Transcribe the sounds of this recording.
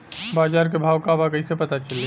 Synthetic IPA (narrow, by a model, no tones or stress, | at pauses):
bad͡ʒaɾkebʱawkabakəisepət̪at͡ʃəli